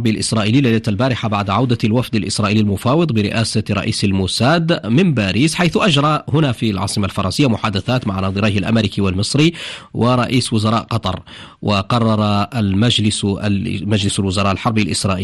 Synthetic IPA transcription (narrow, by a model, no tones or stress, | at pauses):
ɾbilʔɪsɾˤɑːʔiliːlajlat̪albaːɾɪħabaʕd̪ʕawd̪alwafd̪alʔɪsɾˤɑːʔiːlilmʊfɑːwɨd̪ˤbɪɾɪ̰ʔaːsaɾˤɑ̰ʔḭːsalmʊsaːd̪mɪmbaːɾiːsħajθʊʔaʒɾˤɑhʊnafialʕɑ̰ːsˤɨmalfɑɾˤɑnsɪjːamʊħaːd̪aθaːt̪maʕnɑd̪ˤɨɾɑːhalʔa̰mɾikiwalmɨsˤɾiwʔɪɾˤɑʔiːswʊzɑɾˤɑːʔqɑt̪ˤɑɾˤwʔɪqɑrˤːɑɾˤɑmad͡ʒlɪsmad͡ʒlɪsalwʊzɑɾˤɑːʔalħɑɾˤbilʔɪsɾˤɑːʔ